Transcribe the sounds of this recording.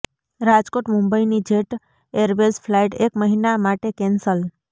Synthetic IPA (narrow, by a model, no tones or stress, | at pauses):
ɾad͡ʒkoʈmumbəinid͡ʒeʈ | eɾʋesfʰlaiʈekməɦinamaʈekɛnsəl